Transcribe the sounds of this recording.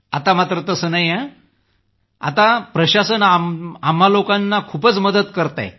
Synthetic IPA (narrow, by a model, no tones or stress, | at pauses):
a̰t̪amat̪ɾət̪əsənajã | a̰t̪apɾəɕasənaam̤ːalokanːakʰuːpət͡sməd̪ət̪kəɾt̪a̰j